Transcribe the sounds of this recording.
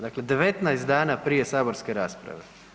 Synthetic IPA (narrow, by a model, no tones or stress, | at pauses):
d̪aːkled̪eʋet̪najst̪aːnapɾijesaːboɾskeɾaːspɾa̰ʋe